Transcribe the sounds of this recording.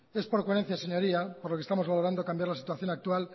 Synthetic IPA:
e̞spoɾkweɾen̟θjaseɲo̞ɾiapoɾlokest̪amo̞zβaloɾand̪okambjaɾlasi̥t̪waθjo̞nak̚t̪ual

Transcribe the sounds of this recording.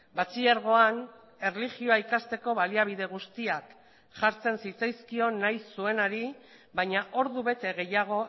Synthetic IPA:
bat͡siaɾɣ̞o̞an | e̞reliɣio̞aikast̪e̞ko̞βaliaβ̞ið̞e̞ɣ̞ust̪iak | ʝaɾt͡se̞nsit͡sajskio̞najsːue̞naɾi | βaɲaʔo̞ɾðuβe̞t̪e̞ɣ̞e̞jaɣ̞o̞

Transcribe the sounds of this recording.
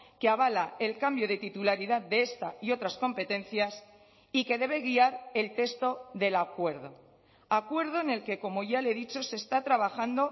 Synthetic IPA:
keaβ̞alae̞lkambjo̞ð̞et̪it̪ulaɾiðaðde̞est̪aio̞t̪ɾasko̞mpe̞t̪ẽ̞nθjas | ike̞ðe̞β̞e̞ɣ̞iaɾe̞lt̪e̞st̪o̞ðe̞lakwe̞ɾð̞o̞ | akwe̞ɾð̞o̞ene̞lke̞ko̞mo̞ʝale̞ðit͡ʃo̞se̞st̪at̪ɾaβ̞axand̪o̞

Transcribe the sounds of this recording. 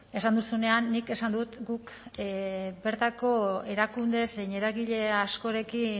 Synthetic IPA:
e̞sand̪usune̞anːike̞sand̪ut̪ɡuk | be̞ɾt̪ako̞e̞ɾakund̪e̞seɲe̞ɾaɣiʎe̞asko̞ɾe̞ki

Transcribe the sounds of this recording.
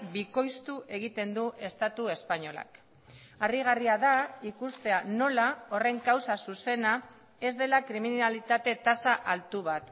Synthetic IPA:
biko̞jst̪uʔe̞ɣ̞it̪e̞nd̪uʔe̞st̪at̪ue̞spaɲo̞la̰k | ariɣ̞ariaðaikust̪e̞ano̞lao̞re̞ŋkawsasuse̞na | e̞zd̪e̞lakɾiminalit̪at̪e̞t̪asaʔalt̪uβ̞at̪

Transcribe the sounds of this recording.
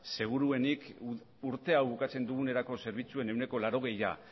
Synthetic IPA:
se̞ɣ̞uɾue̞nik | uɾt̪e̞awβukat͡se̞nd̪uɣ̞uneɾako̞se̞ɾβ̞it͡sue̞ne̞wne̞ko̞laɾo̞ɣ̞e̞ja̰

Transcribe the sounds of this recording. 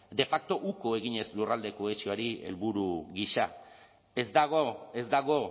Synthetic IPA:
d̪e̞fak̚t̪o̞ʔuko̞e̞ɣiɲe̞slurald̪e̞koesioaɾie̞̰lβuɾuɣiʃa̰ | e̞zd̪aɣoe̞zd̪aɣ̞o̞

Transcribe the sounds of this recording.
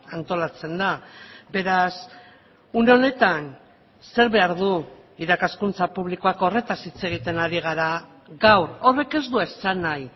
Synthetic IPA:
ant̪o̞lat͡se̞nd̪abe̞ɾas | une̞o̞ne̞t̪an | se̞ɾβe̞aɾðu | iɾakaskunt͡sapuβ̞liko̞ako̞re̞t̪asit͡se̞ɣ̞it̪e̞naɾiɣ̞aɾa | ɣawro̞re̞ke̞zd̪uesanaj

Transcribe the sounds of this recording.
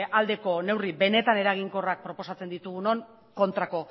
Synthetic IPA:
ald̪e̞ko̞ne̞wribe̞ne̞t̪ane̞ɾaɣ̞iŋko̞rak̚pɾo̞po̞sat͡se̞nd̪it̪uɣuno̞ŋ | ko̞nt̪ɾako̞

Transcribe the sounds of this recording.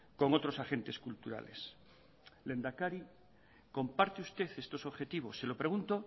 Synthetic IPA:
ko̞ŋot̪ɾo̞saxe̞nt̪e̞skult̪uɾa̰le̞̰s | le̞nd̪akaɾi | ko̞mpaɾt̪eust̪e̞θe̞st̪o̞so̞βxet̪iβ̞o̞sːe̞lopɾe̞ɣ̞unt̪o

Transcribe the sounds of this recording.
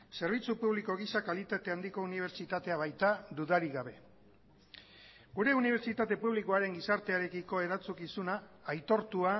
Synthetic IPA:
se̞ɾβ̞it͡supuβliko̞ɣ̞isakalit̪at̪e̞and̪iko̞uniβ̞e̞ɾt͡ʃit̪at̪e̞aβ̞ajt̪ad̪uðaɾiɣaβ̞e̞ | ɡuɾe̞uniβ̞e̞ɾt͡ʃit̪at̪e̞puβ̞likoaɾe̞ŋɡisaɾt̪e̞aɾe̞kiko̞e̞ɾat͡sukisunaːjt̪o̞ɾt̪ua

